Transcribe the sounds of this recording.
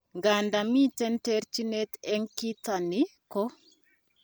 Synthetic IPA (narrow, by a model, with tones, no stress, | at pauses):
ŋɡa˨ndami˦tɛntɛɾt͡ʃi˦nɛ˦t̪ɛŋki˦tanikɔ˦